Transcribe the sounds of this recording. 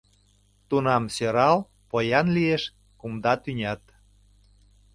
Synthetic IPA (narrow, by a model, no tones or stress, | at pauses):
t̪unɑmsøɾɑl | pojɑnlieʃ | kumd̪ɑt̪ynʲɑt̪